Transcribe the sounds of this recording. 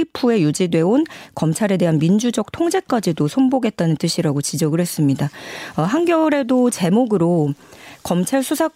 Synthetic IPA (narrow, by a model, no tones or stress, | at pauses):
ipʰue̞jud͡ʑidwe̞onkʌmt͡ɕʰaɾe̞de̞ɦanmind͡ʑud͡ʑʌk̚tʰoŋd͡ʑe̞k͈ad͡ʑidosʰonboɡe̞t̚t͈anɯnt͈ɯɕʰiɾaɡot͡ɕid͡ʑʌɡɯɭhe̞s͈ɯmɲidaʌɦaŋɡjʌɾe̞dot͡ɕe̞moɡɯɾokʌmt͡ɕʰaɭsʰusʰa